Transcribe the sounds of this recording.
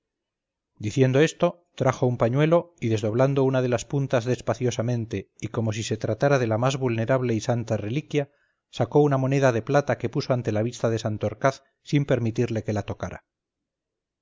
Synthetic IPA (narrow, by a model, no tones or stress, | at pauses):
d̪iθje̞nd̪o̞e̞st̪o̞ | t̪ɾaxo̞umpaɲwe̞lo̞iðe̞zðo̞β̞land̪o̞unaðe̞laspunt̪azðe̞spaθjo̞samẽ̞nt̪e̞iko̞mo̞s̬ise̞t̪ɾat̪aɾaðe̞lamazβulne̞ɾaβle̞isant̪are̞likja | sako̞unamo̞ne̞ðaðe̞plat̪ake̞puso̞ant̪e̞laβ̞ist̪aðe̞sant̪oɾkaθ | simpe̞ɾmit̪iɾle̞ke̞lat̪o̞kaɾa̰